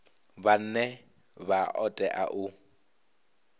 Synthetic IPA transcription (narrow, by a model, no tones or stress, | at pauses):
ban̩nɛ | baʔɔtʼɛʔaʔʊ